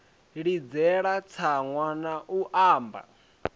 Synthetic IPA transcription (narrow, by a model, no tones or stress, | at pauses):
ɺid͡zɛɺat͡sʰaŋwanaʔuʔaːmba̰